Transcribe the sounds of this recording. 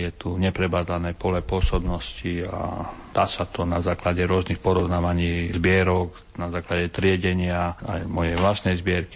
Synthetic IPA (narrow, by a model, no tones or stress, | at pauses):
jɛt̪uɲɛpɾɛbaːd̪lanɛːpɔlɛpʊɔsɔbnɔscia̰d̪asat̪ɔnazaːklaɟɛɾʊɔznixpɔɾɔʊnaːʋaɲiːzbɪɛɾɔk | nazaːklaɟɛt̪ɾɪɛɟɛɲɪaa̰jmɔjɛjʋlast̪nɛjzbɪɛɾki